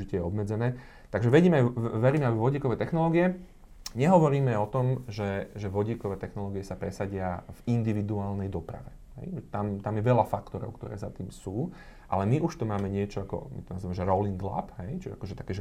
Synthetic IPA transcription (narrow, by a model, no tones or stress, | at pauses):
icɛjɛɔbmɛd͡zɛnɛː | t̪aɡʒɛʋɛɟiːmɛʋɛɾiːmɛabiʋɔɟiːkɔʋɛːt̪ɛxnɔlɔːɡiɛ | ɲɛɦɔʋɔɾiːmɛɔt̪ɔmʒɛʒɛʋɔɟiːkɔʋɛːt̪ɛxnɔlɔːɡiɛsapɾɛsaɟɪavind̪iʋid̪uaːlnɛjd̪ɔpɾa̰ʋɛ | ɦɛ̰jʒɛt̪amt̪amjɛʋɛʎafakt̪ɔɾɔ̰ʊkt̪ɔ̰ɾɛ̰ːzat̪iːmsuː | ʔa̰lɛmiʔuʃt̪umaːmɛɲɪɛt͡ʃɔakɔ̰mḭt̪ɔnaziːʋamɛʒɛɾɔliŋɡla̰pɦɛjt͡ʃia̰kɔʒɛt̪akɛːʒɛ